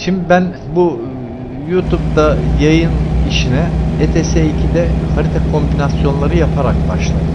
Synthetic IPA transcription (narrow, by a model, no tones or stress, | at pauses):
ʃimd̪ibæn | bu | jut̪ʰupt̪ajajɯniʃinɛet̪ʰeseicʰid̪ɛhaɾit̪ʰakʰo̞mbinasjo̞nlˠaɾɯjapʰaɾak̚baʃlˠad̪ɯ